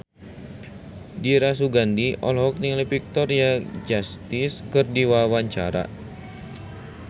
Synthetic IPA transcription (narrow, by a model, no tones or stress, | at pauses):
diɾas̬uɡandiɔ̰lɦɔk̚niŋləpik̚t̪ɔrjad͡ʒast̪iskɨrdiwawaɲt͡ʃa̰ɾa̰